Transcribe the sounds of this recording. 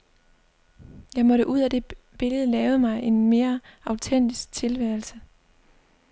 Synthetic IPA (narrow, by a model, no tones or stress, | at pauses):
jɑ̈ɪmɒ̽ɾəʔuð̰ˠæd̥e̝ | b̥e̝ləð̞̩ˠlɛːʊð̩ˠmɑ̈ɪʔe̝nme̝ːɐɑ̈ʊt͡sʰen̰d̥isɡ̥̚t͡sʰe̝lʋæɐlsə